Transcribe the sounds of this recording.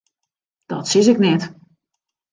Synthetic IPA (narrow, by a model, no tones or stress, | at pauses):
d̥ɔtsɪsɪknɛt